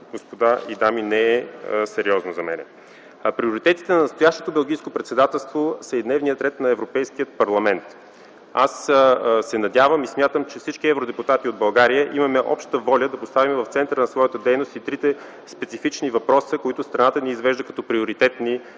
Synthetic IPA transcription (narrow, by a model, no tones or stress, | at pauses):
ɡospod̪aid̪aminɛɛsɛɾiɔznozɐmɛ̰nɛ̰ | pɾioɾit̪ɛt̪it̪ɛnɐnɐst̪ojaʃt̪ot̪obɛlˠɡijskopɾɛt̪sɛd̪at̪ɛlˠst̪vosəid̪nɛvnijət̪ɾɛt̪nɐɛvɾopɛjsk̟ijət̪̚pɐɾlˠɐmɛnt̪ | assɛnɐd̪javəmismʲjat̪əmt͡ʃɛfsit͡ʃkiɛvɾod̪ɛput̪at̪iod̪̚bɐlˠɡaɾijəʔimɐmɛʔɔ̰pʃt̪əvɔlʲəd̪ɐpost̪avimɛvɐft̪sɛnt̪əɾənɐsvɔjət̪əd̪ɛjnost̪it̪ɾit̪ɛ | spɛt̪sifit͡ʃnivɐpɾɔsəkoit̪ʊst̪ɾɐnat̪əniːzvɛʒd̪əkɐt̪ɔpɾioɾit̪ɛt̪ni